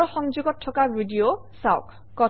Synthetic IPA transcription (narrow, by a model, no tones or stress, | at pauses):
xɔŋzuɡɔtʰːɔkabidio | saʊ̰k | kɔ